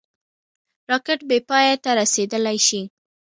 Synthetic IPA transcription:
ɾɑkɪʈ̚bepɑjat̪aɾased̪əlajʃi

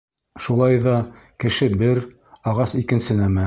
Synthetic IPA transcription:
ʃulˠɑjðɑ | kɘ̆ʃɘbɘɾ | ɑʁɑsikɘ̆nsɘnæmæ

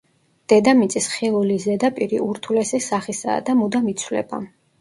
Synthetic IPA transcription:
d̪̥ɛd̪amit̪sʼisχilˠulizɛd̪apʼiɾiuɾt̪ʰulɛsɛsaχisa̰ːd̪amud̪amit̪sʰwlɛ̰ba̰

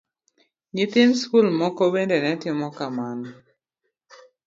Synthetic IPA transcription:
ɲɪt̪ɪnskulmɔkɔbendɛnɛtɪmɔkamanɔ

